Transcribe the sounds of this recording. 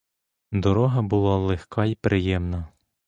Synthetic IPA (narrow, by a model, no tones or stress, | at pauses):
d̪ɔɾɔɦɐbʊlˠɑlˠexkʰɑipɾʔɪjɛmnɐ